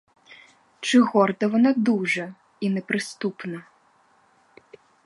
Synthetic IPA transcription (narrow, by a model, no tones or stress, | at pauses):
t͡ʂɨɣɔrd̪ɐvɔnad̪uʐɐ | inɛpɾɨst̪upnɐ